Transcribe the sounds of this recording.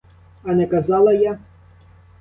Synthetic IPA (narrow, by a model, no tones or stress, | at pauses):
ɐnɛkɐzɑlˠɐja